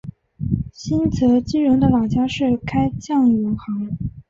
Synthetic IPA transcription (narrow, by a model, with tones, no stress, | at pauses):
ɕi˥nt͡sʰɤ˧˥t͡ɕi˥ɻʊ˧˥ŋd̪ə˧lɑ˨˩ŋt͡ɕja˥ʂɻ̩˥˩kʰa˥ɪt͡ɕjɑ˥˩ŋji˧˥ŋxɑ˧˥ŋ